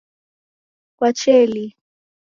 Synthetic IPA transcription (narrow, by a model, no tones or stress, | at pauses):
kwat͡ʃɛli